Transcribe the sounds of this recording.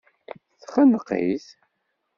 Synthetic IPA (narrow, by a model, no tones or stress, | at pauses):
θχənqḭθ